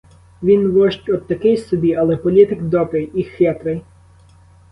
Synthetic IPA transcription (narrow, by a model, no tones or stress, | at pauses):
ʋʲinʋɔʃt͡ʃʲɔd̪̚t̪ɐkɪjsɔbʲiɐlˠɛpɔlʲit̪ɪkd̪ɔpɪjixʋʲɛt̪ɾɪj